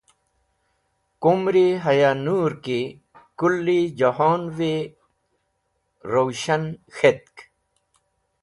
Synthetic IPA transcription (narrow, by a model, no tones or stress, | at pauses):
kumɾiɦɐjanuɾki | kulːid͡ʑahoːnwe | ɾowɕɐnxet̪̚k